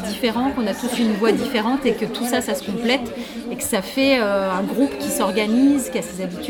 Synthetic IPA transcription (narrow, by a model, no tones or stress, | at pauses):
d̪ifeʁɑ̃kɔ̃nat̪usynvwad̪ifeʁɑ̃t̪ekət̪ʰusasasə̥kɔ̃plɛt̪ | ekə̥safɛøɛ̃ɡʁupkʲisɔʁɡanizkʲiasezabit̪